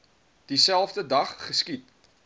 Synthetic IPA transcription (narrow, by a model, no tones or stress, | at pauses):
d̥isælˠfdədɐχːəskit̚